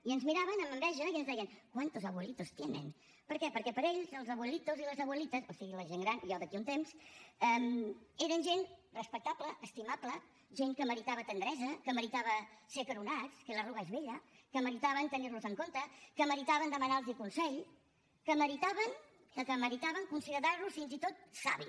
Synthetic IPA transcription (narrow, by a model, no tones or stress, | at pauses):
iənzmiɾaβənəməmbɛʒəiənzðɛjənkwant̪uzəβwəlit̪ost̪jenə̰n | pəɾkɛpəɾkɛpəɾeʎzəlˠzəβwəlit̪oziləzəβwəlit̪əsosiɣiləʒeŋɡɾanjɔðəkiunt̪emsɛmeɾənʒenrəspək̚t̪apləʔːst̪imaplə | ʒeŋkəməɾit̪aβət̪ənd̪ɾɛzəkəməɾit̪aβəsekəɾunat͡skələruɣəezβeʎə | kəməɾit̪aβənt̪əniɾluzəŋkont̪əkəməɾit̪aβənd̪əmənalˠzikunsɛʎ | kəməɾit̪aβən | əkəməɾit̪aβəŋkunsiɣðaɾlusfinzit̪ot̪̚sa̰βi